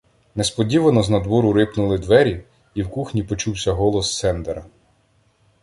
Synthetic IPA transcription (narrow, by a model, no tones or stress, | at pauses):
nɛspɔdʲiʋɐnɔznɐd̪wɔɾʊɾɪpnʊlˠɪd̪ʋɛɾʲi | iwkuxnʲipɔt͡ʃuwsʲɐɦɔlˠɔst̪sɛnd̪eɾɐ